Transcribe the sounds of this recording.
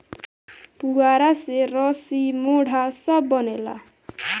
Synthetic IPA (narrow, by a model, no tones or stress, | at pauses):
puaɾaseɾɔsimoɽ̤ʱasʌbːʌnela̰